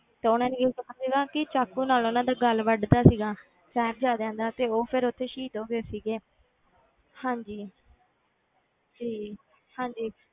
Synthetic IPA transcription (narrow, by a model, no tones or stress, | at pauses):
t̪eːʊnãːnẽːɡitːasiːɡaːkɪt͡ʃaːkːũːnaːloːnãːd̪aːɡəlʋəɖd̪aːsiːɡaː | sɛːb̚d͡ʒaːd̪ɛ̃ːnd̪aːt̪eːoːpʰɪɾʊt̪ʰːeːʃiːd̪oːɡeːsiːɡeː | hãːɲd͡ʒiː | d͡ʒiː | hãːɲd͡ʒiː